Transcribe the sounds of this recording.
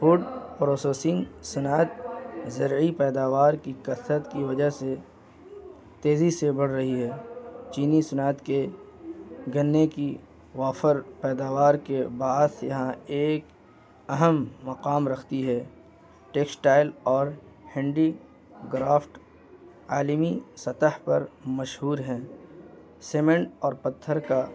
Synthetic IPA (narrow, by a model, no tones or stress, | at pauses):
fʊːɖpɾoːseːsɪ̃ŋɡsʊnaːt̪zɐɾipɛːd̪aːʋaːɾkikɐsɾət̪kiʋɐd͡ʒəse | t̪eːzisebɐɽ̤ɾɐɦiɦɛːt͡ʃiːnisʊnaːt̪ke | ɡɐnːeki | ʋaːfəɾpɛːd̪aːʋaːɾkebaːd̪jɐɦãeːk | ɐɦəmːɐqaːmɾɐkʰt̪iɦɛː | ʈeːksʈaːɪlɔːɾ | hɛ̃ːɳɖi | ɡɾaːfʈ | aːlmisɐt̪əhpɐɾmɐʃɦuːɾɦɛ̃ː | seːmẽɳʈɔːɾpɐt̪ʰːəɾka